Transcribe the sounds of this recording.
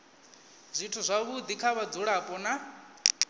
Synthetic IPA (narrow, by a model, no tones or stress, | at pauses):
z̥ʷitʰuzʷaβud̪ikʰaβad͡zuɺapʼɔna